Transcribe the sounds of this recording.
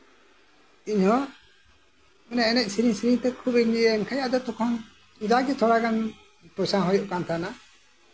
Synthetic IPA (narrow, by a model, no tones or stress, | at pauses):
iɲhɔ | mɛnaʔɛnɛc̚ˀsiɾiŋsiɾiŋt̪ɛkʰubɛɲiɛnkʰajaʔd̪ɛt̪ɔkʰɔŋ | id̪aɡɛt̪ʰɔɽaɡan | pɾɔsaɦɔjɔʔkant̪ʰana